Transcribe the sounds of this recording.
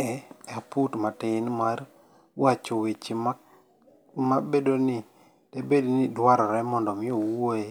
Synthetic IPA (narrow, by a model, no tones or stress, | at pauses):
ɛaputmatɪnmar | wat͡ʃowet͡ʃima | mabedonɪ | d̥ɛbednidwaɾɔɾɛmɔndɔmɪowoe